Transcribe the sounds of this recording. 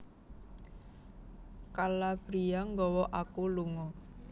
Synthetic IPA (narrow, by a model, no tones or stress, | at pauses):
kalab̥ɾiaŋɡɔwɔʔakuluŋɔ